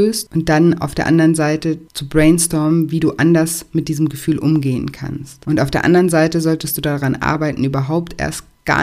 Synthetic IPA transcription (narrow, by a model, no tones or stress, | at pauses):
øːstʔʊnt̚d̥ana̰ʊfd̥eːɐʔandɐʁənzaɪtət͡subʁɛɪnstɔɐmviːduːʔandɐsmɪt̚d̥iːzəm̩ɡəfyːlʔʊmɡeːənkʰa̰nstʔʊntʔaʊfd̥eːɐʔa̰ndɐʁənzaɪtəzɔltəstd̥uːdaʁanʔa̰ːɐbaɪtn̩ʔyːbɐɦaʊptʔḛːɐst̚ | ɡ̥a̰